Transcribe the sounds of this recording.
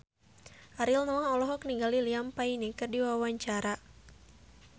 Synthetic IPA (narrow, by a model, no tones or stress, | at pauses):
ʔaɾilnɔɔlɔɦɔkniŋɡaliliampainikɨrdiwawaɲt͡ʃaɾa